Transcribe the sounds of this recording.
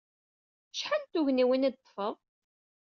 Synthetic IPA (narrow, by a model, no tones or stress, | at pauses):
ʃħant̪uʝniwinid̪̚t̪ˤːfəʁ